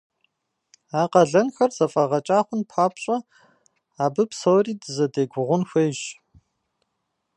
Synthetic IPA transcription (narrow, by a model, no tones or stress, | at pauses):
aːqɐɮɐnxɐrz̥ɐfʼɐʁɐt͡ʃʼaːχʷʊnpʰaːpʰɕʼɐ | aːbɨpsoːriːdɨzɐdeːɡʷʊʁʷʊnxʷejʒ